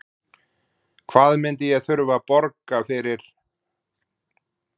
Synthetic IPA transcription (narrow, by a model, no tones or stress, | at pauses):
kʰvaːðmɪnt̪ɪjɛɣθʏɾvapɔɾkafɪɾɪɾ̥